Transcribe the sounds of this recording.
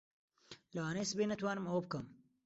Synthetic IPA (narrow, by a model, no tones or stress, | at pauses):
lɐwaːnesbeːnɐt̪waːnɨmɐwɐbkɐm